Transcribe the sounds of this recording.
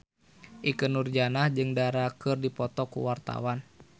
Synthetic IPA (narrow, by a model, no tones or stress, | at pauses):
ʔikənurd͡ʒanahd͡ʒɨŋdaɾakɨrdipɔt̪ɔkṵwart̪a̰wan